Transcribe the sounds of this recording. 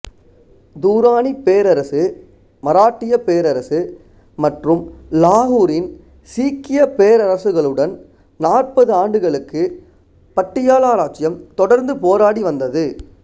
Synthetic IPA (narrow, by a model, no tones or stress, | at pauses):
d̪uːɾaːnipeːɾɐɾɐsɯ | mɐɾaːʈːɪjɐpːeːɾɐɾɐsɯ | mɐʈrɯmlaːɦuːɾɪn | siːkːɪjɐpeːɾɐɾɐsɯɣɐɭɯɽɐn | naːrpɐðɯaːɳɖɯɣɐɭɯkːɯ | pɐʈːɪjaːlaːɾaːt͡ʃːɪjɐmt̪ɔɽɐɾnd̪ɯpoːɾaːɽiʋɐnd̪ɐðɯ